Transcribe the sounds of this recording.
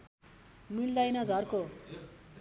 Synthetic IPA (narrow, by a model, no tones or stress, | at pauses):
mild̪ʌjnʌd͡zʱʌrko